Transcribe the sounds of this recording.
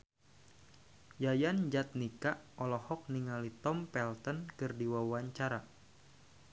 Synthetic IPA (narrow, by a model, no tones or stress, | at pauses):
jajand͡ʒat̪̚nikaʔɔlɔhɔk̚niŋalit̪ɔmpɛlt̪ənkɨrdiwawaɲt͡ʃaɾa